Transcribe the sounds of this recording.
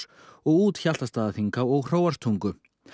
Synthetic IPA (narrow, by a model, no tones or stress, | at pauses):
ɔɣuːt̪çal̥t̪ast̪aːðaθiŋkawɔɣr̥oːwaɾ̥st̪ʰuŋkʏ